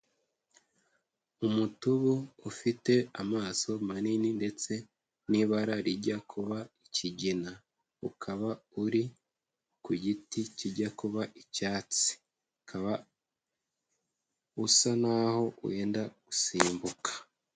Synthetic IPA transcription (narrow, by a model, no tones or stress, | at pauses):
umutuβuːfite̞amaːso̞manininde̞t͡se̞ | niβaɾaɾiɟakʰuβaiciɟina | ukʰaβauɾi | kuɟiticiɟakuβaʔicaːt͡si̥ | ukʰaβa | usanaho̞ṵwe̞ːndaɡ̥usiːmbukḁ